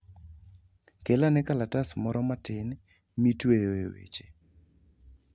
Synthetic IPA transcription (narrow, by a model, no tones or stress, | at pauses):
kelanɛkalatasmɔɾɔmatɪn | mitwejoewḛt͡ʃe̥